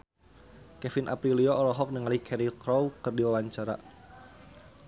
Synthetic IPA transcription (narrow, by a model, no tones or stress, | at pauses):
kɛfɪnʔa̰pɾiliɔʔːlɔɦɔk̚nəŋalikʰɛɾikɾɔwkɨrdiwawaɲt͡ʃaɾa̰